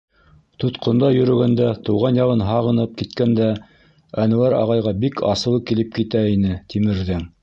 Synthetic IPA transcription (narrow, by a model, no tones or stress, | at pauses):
t̪ut̪qʰŏnd̪ɑjɵ̆ɾɵ̆ɡænd̪æt̪ɤ̆wʁɑnjɑʁɤnɦɑʁɤ̆nɤp̚kit̪kænd̪æ | ænŭwæɾɑ̰ʁɑjʁɑbikʰɑ̰sɤ̆lˠɤkilɘp̚kit̪æinɘt̪imɘ̆ɾðɘŋ